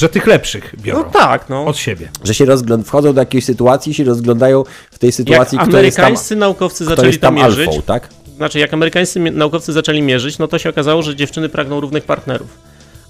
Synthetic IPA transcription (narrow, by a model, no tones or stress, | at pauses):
ʐɛt̪ɘxlɛpʂɨxbʲjɔ̰nɾɔ̃t̪aknɔɔt̪ɕebʲjɛʐɛɕɛɾɔzɡlɔnfxɔd̪zɔ̃w̃d̪ɔjakʲeɕsɘt̪uat̪sʲjiɕɛɾɔzɡlɔ̃nd̪ajɔ̃w̃ | ft̪ɛjsɘt̪ujaat̪sʲjiamuɛɾkaaj̃sst̪sɘnaukɔft̪sɘzat͡ʂ̪ɔɛɛsʲit̪ːamʲːjalʐfɔ̰̃wt̪ak | znat͡ʂɘɨjakamɛɾɘkaj̃ssɘnaukɔft̪sɘzat͡ʂɛlʲimʲjɛʐɘt͡ɕnɔt̪ɔɕɛɔkazawɔʐɛd͡ʑɛft͡ʂɘnɘpɾʔaɡnɔ̃w̃ɾuvnɘxpaɾt̪nɛɾṵf